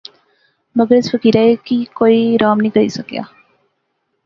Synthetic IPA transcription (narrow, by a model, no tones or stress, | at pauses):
mɐɡəɾɪsfəkiːɾaekikoːiɾaːmnəɦĩkɐɾḭsɐkja̰ː